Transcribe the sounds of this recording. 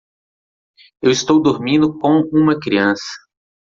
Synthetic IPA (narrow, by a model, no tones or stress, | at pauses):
ewɪst̪owd̪oɾmĩnd̪ʊkõũmɐkɾiɐ̃sɐ̥